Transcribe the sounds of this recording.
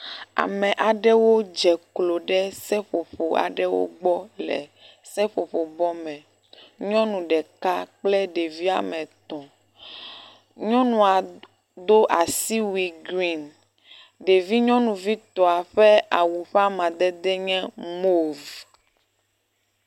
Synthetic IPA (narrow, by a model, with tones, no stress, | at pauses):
a̰˨mɛ̃˨ʔa˨ɖɛ˦wo˦d͡ʒɛ˨klo˨ɖɛ˦sɛ˦ɸo˨ɸo˨a̰˨ɖɛ˦wo̰˦ɡ͡bɔ˦lɛ̰˨ | sɛ˦ɸo˨ɸo˨bɔ˦mɛ̃˨ | ɲɔ̃˦nũ˨ɖɛ˨ka˦k͡plɛ˦ɖe˨vi˦a̰˨mɛ̃˨t̪ɔ̃˨ | ɲɔ̃˦nũ˨a˨ | d̪o˦ʔa˨si˦wi˨ɡɾi˦n | ɖe˨vi˦ɲɔ̃˦nũ˨vi˦t̪ɔ˨a˨ɸɛ˦a˨wu˨ɸa˦mã˨d̪ɛ˦d̪ɛ˦ɲɛ̃˦mo˦v